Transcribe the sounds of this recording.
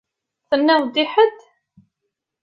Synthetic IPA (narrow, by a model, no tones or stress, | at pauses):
θənːæwd̪iħəd̪